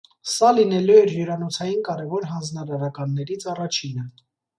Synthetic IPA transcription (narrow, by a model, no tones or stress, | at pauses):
sɑlinɛluɛɾjuɾɑnɔt͡sʰɑjinkɑɾɛvɔɾɦɑnd͡znɑɾɑɾɑkɑnːɛɾit͡sʰɑrɑt͡ʃʰinə